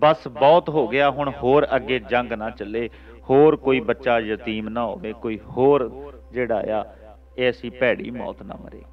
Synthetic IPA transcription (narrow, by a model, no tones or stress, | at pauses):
bəsbɔːt̪ɦoːɡɪaːɦʊɳhoːɾəɡːeːd͡ʒə̃ŋɡnãːt͡ʃəleː | hoːɾkoːiːbətːʃaːjət̪iːmnãːɦo̰ːʋeːkoːiːhoːɾ | d͡ʒeːɽa̰ːḛjaː | eːəsĩːpɛːɽḭːmɔ̰ːt̪nã̰ːmə̰ɾḛː